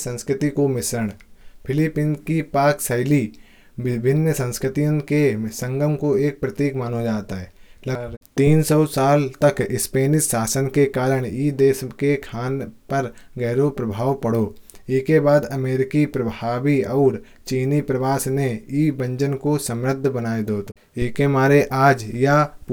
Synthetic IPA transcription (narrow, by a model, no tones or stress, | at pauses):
sə̃nskɾɪt̪ikomɪsɾəɽ̃pʰɪlɪpɪ̃nkipaːksɐɪli | bɪbʱɪnːəsə̃nskɾɪt̪ijõkesə̃ŋɡəmkoeːk̚pɾɐt̪iːkmaːnod͡ʒaːt̪aɦɛːlɐɾt̪iːnsɔːsaːlt̪ɐkɪspeːnɪt̪saːsənkekaːɾəɽ̃iːd̪eːskekʰaːnpɐɾɡɛːɾopɾəbʱaːʋpəɽ̤oːeːkebaːd̪ɐmeːɾɪkipɾəbʱaːwiɔːɾ | t͡ʃiːnipɾɐʋaːsneiːbə̃ɲd͡ʒənkosə̃mɾəd̪ʱːbənaːed̪oːt̪ | ɪkemaːɾeʔaːd͡ʒja